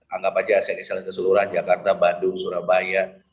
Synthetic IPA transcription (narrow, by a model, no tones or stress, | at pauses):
aŋɡapad͡ʒaːsanisalahkəsəluɾahd͡ʒakart̪abadʊŋsuɾahbajaʔ